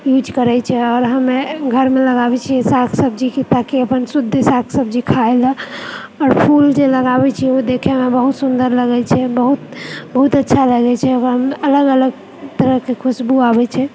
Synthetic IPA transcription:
jud͡ʒkəɾɛjt͡ʃʰɛɔːɾɦəmeɡʱəɾmeləɡabɛt͡ʃʰisakʰsəb̚d͡ʒikit̪akeəpənsud̪ʱːsakʰsəb̚d͡ʒikʰaelə | ɔɾpʰuld͡ʒeləɡabɛt͡ʃʰiod̪ekʰemebəɦut̪sund̪əɾləɡɛt͡ʃʰɛbəɦut̪bəɦut̪ətːʃʰaləɡɛt͡ʃʰɛokɦəmələɡələɡ | t̪əɾəɦkekʰusbuabɛt͡ʃʰɛ

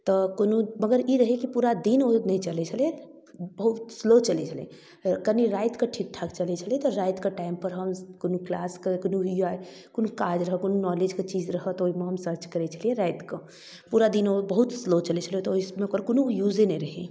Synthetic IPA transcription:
t̪ɔkonuməɡəɾiɾəɦekipuɾad̪inonəit͡ʃəlɛt͡ʃʰəle | bəɦut̪slot͡ʃəlɛt͡ʃʰəlḛ̃ | kəniɾajt̪keʈʰik̚ʈʰakt͡ʃəlɛt͡ʃʰəlet̪ɔɾajt̪keʈaimpəɾɦəmkonuklaskekonua | konukad͡ʒɾəɦəkonunɔled͡ʒket͡ʃid͡ʒɾəɦət̪oɦimeɦəmsəɾt͡ʃkəɾɛt͡ʃʰəlieɾajt̪kə | puɾad̪inobəɦut̪slot͡ʃəlɛt͡ʃʰəliet̪ɔoɦismeokəɾkonujud͡ʒenɛiɾəɦe

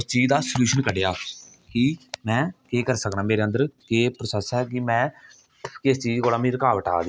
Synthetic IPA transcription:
st͡ʃiːd͡ʒd̪aːsəljuːʃənkəɖeaː | kɪmɛ̃ːkeːkəɾsəknaːmeːɾeːənd̪əɾkeːpɾəsəsɦɛːkɪmɛ̃ː | kɪst͡ʃiːd͡ʒkoːlaːmĩːɾəkaːʋəʈʰa̰ːd̪iː

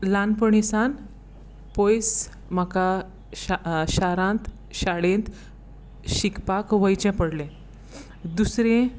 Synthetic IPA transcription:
lanpəɳisan | pojs | m̤aka | ɕaɾãnt̪ | ɕaɽẽnt̪ | ɕikpakʋəjt͡ɕɛ̃pəɽlẽ | d̪usɾẽ

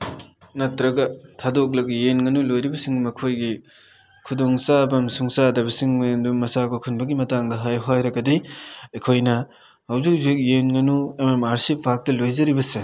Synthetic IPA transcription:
nɐtɾɐɡɐtʰadok̬̚lɐɡijenŋɐnulojɾibɐsiŋmɐkʰojɡi | kʰudoŋsabɐmsuŋsadɐbɐsiŋmndumːɐsakʰokʰunbɐɡimɐtaŋdɐɦajɦojɾɐɡɐdiɐjkʰojnɐ | hɐwzik̚zek̬̚jenŋɐnuɐmamaɾsip̚bʱak̚tɐlojzɐɾibɐse

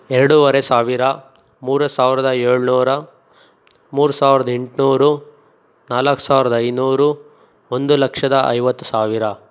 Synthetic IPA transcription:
ɛɾɐɽuʋɐɾesaːʋiɾɐ | muːɾɐsaːʋiɾɐd̪ɐeːɭnuːɾɐ | muːɾusaːʋiɾɐd̪ɐeɳʈnuːɾu | naːlɐkːu̥saːʋiɾɐd̪ɐɐjnuːɾu | ond̪ulɐkʂɐd̪ɐʔɐ̰jʋɐt̪ːu̥saːʋiɾɐ

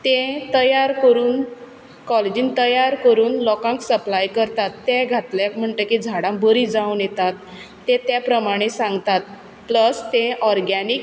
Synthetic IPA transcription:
t̪ẽt̪əjaɾkəɾuːn | kɔled͡ʑint̪əjaɾkəɾuːnlɔkãŋksəplajkəɾt̪at̪ːẽɡʱat̪ljakm̤əɳt̪əkid͡zʱaɽãbəɾid͡zaunjet̪at̪ː | ẽt̪japɾəmaɽ̃esãŋɡt̪at̪̚ | pləst̪ẽʔɔɾɡanik

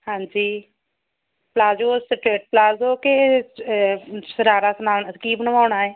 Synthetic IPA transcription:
hãːɲd͡ʒiː | plaːd͡ʒoːsʈɾeːʈ̚plaːzoːke | səɾaːɾaːsənaːnkiːbənəʋaːɳaːeː

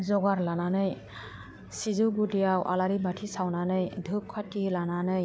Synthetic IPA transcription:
zɔɡaɾlananɯj | sizuɡudijawʔa̰laɾibatʰisawnanɯjdʱɯkʰːatilananɯj

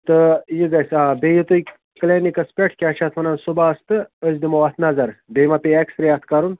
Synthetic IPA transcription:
t̪ɨjiɡasãbejit̪uj | kklʲenikɐspʲeʈʰkʲaːt͡ʃʰat̪ʰmɐnansubaɐst̪ɨəsd̪imɐwat̪ʰnazɐɾbejmapʲeeksɾɐjat̪ʰkaɾun

